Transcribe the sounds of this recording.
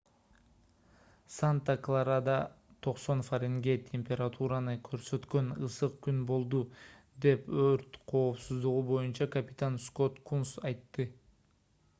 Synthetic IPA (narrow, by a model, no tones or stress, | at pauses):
sant̪aklˠaɾad̪ɑ | t̪ʰo̞qso̞nfaɾʲeŋɡe̞t̪ʲʰe̞mʲpʲe̞ɾat̪ʰuɾanɯkʰø̞ɾsø̞t̪kø̞nɯsɯq̚kynbo̞lˠd̪u | d̪e̞pøɾt̪qʰo̞ːpsuzd̪uʁubo̞junt͡ʃɑkɐpʲɪ̥t̪ansko̞t̪kunsɑjt̪ːɯ